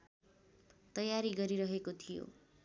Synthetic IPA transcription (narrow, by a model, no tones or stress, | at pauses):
t̪ʌjaɾiɡʌɾiɾʌɦekot̪ʰijo̰